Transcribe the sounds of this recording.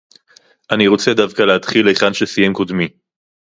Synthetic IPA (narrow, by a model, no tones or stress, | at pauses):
ʔaniʁo̞t͡sed̪avkaleat̪χilːejχanʃesijemkod̪mi